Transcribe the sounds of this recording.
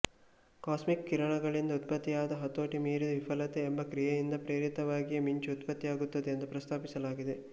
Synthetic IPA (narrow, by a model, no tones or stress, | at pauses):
kaːsmikːiɾɐɳɐɡɐɭind̪ɐut̪̚pɐt̪ːijaːd̪ɐɦɐt̪ːoːʈimiːɾid̪ɐʋipʰɐlɐt̪e̞ːmbɐkɾijɐjind̪ɐpɾeːɾit̪ɐʋaːɡijɐmiɲt͡ʃuut̪pɐt̪ːijaːɡut̪ːɐd̪eːnd̪upɾɐst̪ʰaːpisɐlaːɡid̪e̞